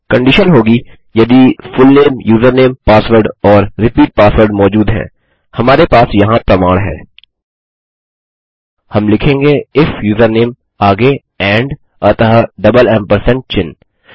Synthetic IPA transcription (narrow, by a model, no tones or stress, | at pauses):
kɐ̃ɳɖɪʃənɦoːɡi | jɐd̪ifʊlneːmjuːzəɾneːmpaːsʋəɾɖɔːɾːɪpiːʈ̚paːsʋəɾɖmɔːd͡ʒuːd̪ɦɛ̰̃ː | hɐmaːɾepaːsjɐɦãpɾɐmaːɭɦɛ̰ː | hɐmlɪkʰẽːŋɡeɪfjuːzəɾneːm | aːɡe | ɛ̃ːɳɖ | ɐt̪ɐɦɖɐbəlɛ̃ːmpəɾsɛ̃ɳʈ̚t͡ʃɪ̃n